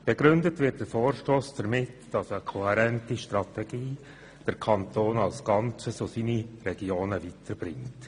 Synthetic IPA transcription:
b̥eɡɾʏndətʋɪt̚d̥əɾfoːrʃtoːsd̥əɾmɪtd̥ɑsəkʰohɛɾɛntiʃtrɑtɛɡ̥iː | d̥əɾkʰɑntoːnɑlsɡ̥ɑnt͡səsosinirɛɡ̥ioːnəvitʰəɾb̥ɾɪŋt

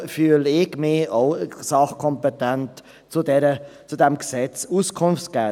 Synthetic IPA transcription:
fyəlɪɡmɪoʊsɑχkʰɔmpɛtænt | t͡sudɛɾət͡sud̥̪ɛmksɛt͡suskʰʊnft͡skæ

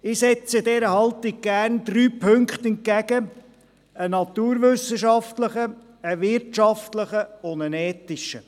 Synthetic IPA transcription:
ɪsɛt͡sədɛɾəhɑlt̪ɪɡ̚ɡ̥æːrnd̪̥ryːpʰɵŋkχt̪ɛnt̚kæɡə | ənɑt̪uːɾʋɵsəʃɑftləχə | əʋɪɾtʃɑftləχəʊndənɛːtɪʃə

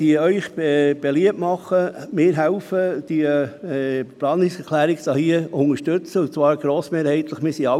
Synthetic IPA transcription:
iœʏχɛb̥eliəpmɑχːəmɪːɾɦæʊfəd̪̥iə | plɑːnɪsɛkʰlæːɾɪksɑhiəʊŋəʃtɵt͡səut͡svɑːɾɡɾoːsmeːɾhɛɪt̪ləχmɪːsiɑ

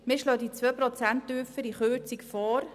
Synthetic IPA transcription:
mɪʃloːd̪it͡sʋøːprɔt͡sæntyːfəɾiχøːt͡sikfɔːɾ

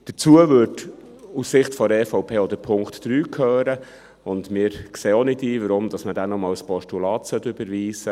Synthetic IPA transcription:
d̥ət͡suəʋʏɾd | ussɪχtfɔɾɛfɔʊpʰeːɔd̪əɾpʰʊŋktːɾyːkʰøːɾə | ʊndmɪːɾkseːonɪtiːʋəɾʊmd̥̪ɑsmədænɔmɑːwspɔʃtulɑːtsœtːʏbəɾʋiːsə

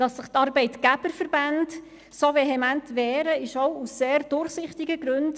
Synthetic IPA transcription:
d̥ɑsːəχtɑɾbɛɪtɡ̥æb̥əɾfəɾband | soveɦɛmæntʋɛːɾəɪʃowusːeːɾd̥ʊɾχsɪχtɪɡəɡɾʉnd

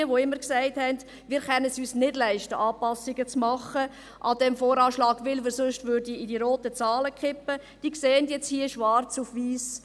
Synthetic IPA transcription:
əʋoɪmːəɾksæɪthɛnd | mɪːɾχɛnəsyːsnɪdlæɪʃtəʔɑːpɑsːɪɡət͡smɑχə | ʔɑdɛmfoːɾɑːʃlɑːɡʋɪlʋɪːɾsʊʃtʋʏɾdiidiɾoːtət͡sɑːləkχɪpːə | d̥iːkseːəndjɛt͡shiəʃʋɑɾt͡sufʋiːs

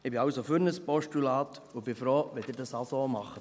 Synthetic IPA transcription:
ɪbɪɑwsofyɾnəspɔʃtulɑːt | ʊb̥ɪfɾoːʋɛd̥̪ɪɾdɑsɑlsomɑχə

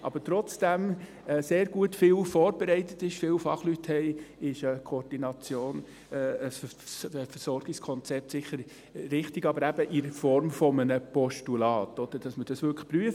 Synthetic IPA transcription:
ʔɑ̰b̥əɾtɾɔt͡sd̥æm | ɛseːɾɡuətfɪːlfɔːɾb̥ɛɾɛɪt̪ətɪʃfɪwfɑχlythɛɪɪʃəkʰɔːɾd̥inɑt͡sjoːn | ɛəs | fəɾsɔɾɡ̥ɪkskʰɔnt͡sɛp̚tsɪχəɾ | ɾɪχtɪɡɑbəɾæbəʔɪɾfɔɾmfɔmənəpɔʃtulɑːt̪ɔd̥̪əɾd̥ɑsməd̥ɑsʋʏɾkʰpɾyəf

